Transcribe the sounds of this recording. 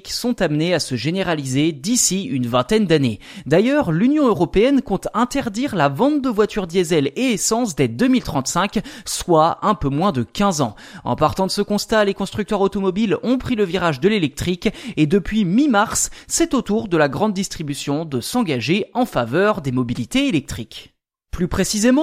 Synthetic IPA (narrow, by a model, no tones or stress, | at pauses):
ksɔ̃t̪amneasəʒeneʁalized̪isiynvɛ̃t̪ɛnd̪ane | d̪ajœʁlynjɔ̃øʁɔpeɛnkɔ̃t̪ɛ̃t̪ɛʁd̪iʁlavɑ̃t̪̚d̪əvwat̪yʁd̪jɛzɛleːsɑ̃sd̪ed̪ømilt̪χɑ̃t̪sɛ̃kswaɛ̃pømwɛ̃d̪əkʲɛ̃zɑ̰̃ | ɑ̰̃paʁt̪ɑ̃d̪əsəkɔ̃st̪alekɔ̃st̪χyk̚t̪œʁot̪ɔmɔbilɔ̃pχiləviʁaʒd̪əlelɛk̚t̪χiked̪əpɥimimaʁsːɛt̪ot̪uʁd̪əlaɡʁɑ̃d̪ːist̪χibysjɔ̃d̪əsɑ̃ɡaʒeɑ̃favœʁd̪emɔbilit̪eelɛk̚t̪χik | plypχesizemɑ̃